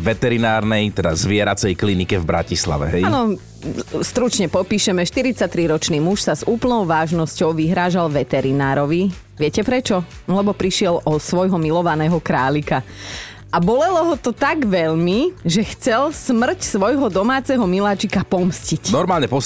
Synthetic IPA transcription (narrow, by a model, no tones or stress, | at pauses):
ʋɛt̪ɛɾinaːɾnɛjt̪ɛd̪a̰zʋɪɛɾat͡sɛjklinikɛvbɾa̰cisla̰ʋɛ̰ɦɛjanɔ | st̪ɾut͡ʃɲɛpɔpiːʃɛmɛʃt̪iɾit͡sat̪ɾiɾɔt͡ʃniːmuʃsazuːpl̩nɔʊʋaːʒnɔscɔʊʋiɦɾaːʒalʋɛt̪ɛɾinaːɾɔʋi | ʋɪɛcɛpɾɛt͡ʃɔ | lɛbɔpɾiʃɪɛlʔɔsʋɔjɦɔmilɔʋanɛːɦɔkɾaːʎika | abɔlɛlɔɦɔt̪ɔt̪aɡʋɛʎmiʒɛxt͡sɛlsmr̩csʋɔjɦɔd̪ɔmaːt͡sɛɦɔmilat͡ʃikapɔmscicnɔɾmaːlɲɛpɔ